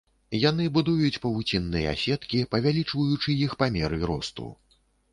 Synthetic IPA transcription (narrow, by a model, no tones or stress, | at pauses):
janɨbud̪ujut͡sʲpɐvut͡sʲinːɨjɛ̰a̰sʲɛt̪kʲipɐvʲalʲit͡ʂvɐjut͡ʂɨjixpamʲɛɾɨɾɔ̰st̪ṵ